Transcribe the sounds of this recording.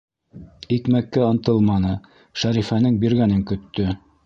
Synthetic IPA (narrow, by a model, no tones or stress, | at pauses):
ikmækːæɤ̆nt̪ɤlˠmɑnɤ | ʃæɾifænɘŋbiɾɡænɘŋkɵ̆t̪ːɵ